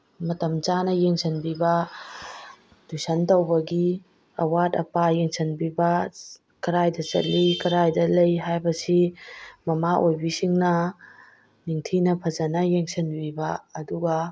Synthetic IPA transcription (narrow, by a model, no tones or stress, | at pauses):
mɐtɐmt͡ʃanɐjeŋsʰɐnbibɐ | d̥usɐntɐwbɐɡi | ɐwadɐ̰pajeŋsʰɐnbibɐ | kɐɾajdɐt͡ʃɐ̰t̚likɐɾajdɐlɐjɦajbɐsimɐmaʔojbisiŋnɐ | niŋtʰinɐpʰɐd͡ʒɐnɐjeŋsɐnbibɐɐduɡɐ